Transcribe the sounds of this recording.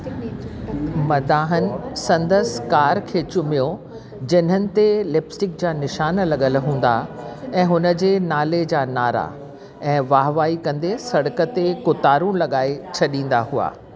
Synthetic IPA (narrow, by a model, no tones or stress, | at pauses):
mɐd̪aːɦənɪ̆sɐ̃nd̪əskaːɾkʰeːt͡ɕʊmijo | d͡ʑɪn̤ənɪ̆t̪eleːpsʈɪk̚d͡ʑaːnɪʃaːnlɐɠəlɦũːn̆d̪a̰ɛ̃ːɦʊnə̆d͡ʑeːnaːled͡ʑaːnaːɾa̰ | ɛ̃ːʋaːɦʋaːikɐ̃nd̪esɐɽəkə̆t̪ekʊt̪aːɾũlɐɠaːet͡ɕʰɐɗĩːn̆d̪aɦua̰ː